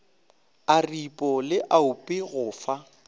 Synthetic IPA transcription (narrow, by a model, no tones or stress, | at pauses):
aripʼɔlɪʔaʊpʼɪɣʊːfa